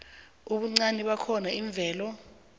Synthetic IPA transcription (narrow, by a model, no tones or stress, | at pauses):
uɓuŋ͡ǀaniɓakʰɔnaiɱb̪vʱɛːlɔ